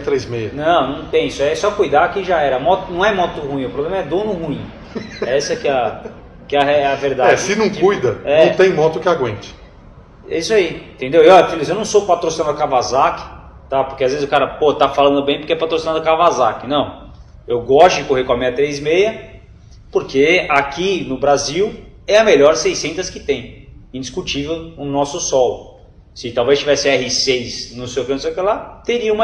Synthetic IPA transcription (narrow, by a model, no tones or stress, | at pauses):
t̪ɾejzmejɐnɐ̃w̃nɐ̃w̃t̪ẽj̃isʊɛsɔkujd̪akẽj̃ʒaɛɾɐmɔt̪ʊnɐ̃w̃ɛmɔt̪ʊhuĩʊpɾoblẽmɐɛd̪õnʊhuĩ | ɛsɐɛkɪɐ | kɪɛɐɛɛɐveɾd̪aɛd͡ʒsɪnɐ̃w̃kiujd̪ɐɛɐ̃w̃t̪ẽj̃mɔt̪ʊkɪaɡwẽnt͡ʃɪ̥ | ɛ̰iswaiẽt̪ẽnd̪ewewafilizewnɐ̃w̃sopat̪ɾosinad̪ʊkavazakɪ̥ | t̪apoɾkeazvezɪzʊkaɾɐpoɐt̪afalɐ̃nd̪ʊbẽj̃poɾkeɛpat̪ɾosinad̪ʊkavazakɪnɐ̃w̃ | ewɡɔst̪ʊd͡ʒɪkoɦeɾkw̃amĩɲɐt̪ɾejzmejɐ | poɾkeakinʊbɾaziw | ɛɐmeʎɔɾsejsẽnt̪ɐskɪ̥t̪ẽj̃ẽd͡ʒiskut͡ʃivewʊnɔsʊsɔlʊ | sɪt̪awvezt͡ʃivɛsɪɛɦɪsejsnʊsejwkenʊsejʊkelat̪eɾiɐũmɐ